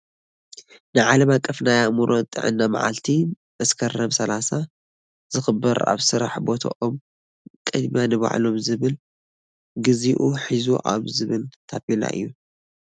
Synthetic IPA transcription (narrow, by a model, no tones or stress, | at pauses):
nɨʕalɐmakʼːɐfnajamuɾʔot̪ʼɨ̰ʕɨ̰nːama̰ʕa̰lt̪ʰi | mɐskʰɐrɐmsɐlasa | z̥ɨxɨbɐɾa̰βsɨɾa̰ħbo̞t̪ʰa̰ʔom | kʼɨd̪mjanɨβa̰ʕlo̞mzɨβɨl | ɡɨziʔuħizuʔa̰βzɨβɨlt̪ʰafila̰ʔɨ̰jːu